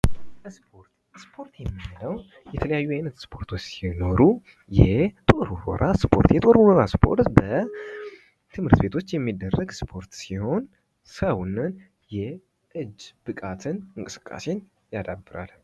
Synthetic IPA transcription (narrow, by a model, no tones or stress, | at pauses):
əspʰoɾt̪ | spʰo̞ɾt̪jɛmːiɨləw | jɛt̪ʰələjajːujajnət̪spʰo̞ɾt̪ʰot͡ʃːsino̞ɾu | jɛt̪ʼo̞ɾuɾɔ̰ɾʔaspʰo̞̰ɾt̪jɛt̪ʼo̞ɾuwɔɾaspʰo̞̰ɾt̪bə | t̪ʰɨmhɨɾt̪be̞t̪ʰo̞t͡ʃːjɛmːid̪ːərːəɡspʰo̞ɾt̪siho̞n | səwnːɨn | jɛ | ʔɨd͡ʒːb̥ɨkʼat̪ʰɨnɨŋkʼɨsɨ̥kʼːa̰se̞n | jad̪abːɨɾa̰l